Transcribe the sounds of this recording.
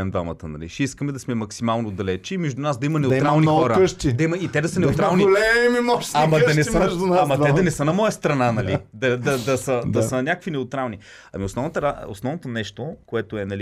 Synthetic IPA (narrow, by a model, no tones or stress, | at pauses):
ɛmd̪va̰mɐt̪ənɐ̰lḭʃɛiskəmɛd̪ɐsmɛmɐksimalˠnod̪ɐlɛt͡ʃimɛʒd̪unasd̪ɐimɐnɛʊiɾalˠnixɔɾəɤʃt̪id̪ɐimɐit̪ɛd̪ɐsənɛʊt̪ɾalˠniɡlɛmimimɔʃamɐd̪ɐnɛsəʒd̪naamɐt̪ɛɐnɛsənɐmɔjəst̪ɾɐnanɐlid̪ɐd̪ɐd̪ɐsəd̪ɐənʲakəkvinɛʊt̪ɾalˠni | ɐ̰miosnɔvnət̪ɾao̰snɔvnot̪onɛʃt̪okoɛt̪oɛnɐli